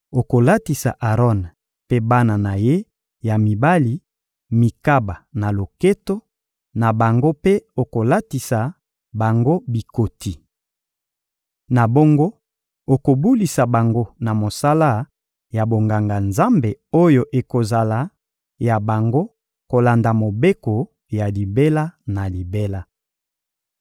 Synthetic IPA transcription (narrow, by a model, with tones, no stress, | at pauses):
o˨ko˨la˦ti˨sa̰˨ʔa˨ʁɔ˦n | pe˦ba˦na˨na˨je˦ | ja˨mi˨ba˦li˨ | mi˨ka˦ba˨na˨lo˨ke˦to˦ | na˨ba˨ŋɡo˦pe˦o˨ko˨la˦ti˨sa˨ | ba˨ŋɡo˦bi˨ko˨ti˨ | na˨bo˦ŋɡo˦ | o˨ko˨bu˦li˨sa˨ba˨ŋɡo˦na˨mo˨sa˦la˦ | ja˨bo˨ŋɡa˨ŋɡa˨nza˦mbe˨o˦jo˨ʔe˨ko˨za˨la˨ | ja˨ba˨ŋɡo˦ | ko˨la˨nda˨mo˨be˦ko˨ | ja˨li˨be˦la˦na˨li˨be˦la˦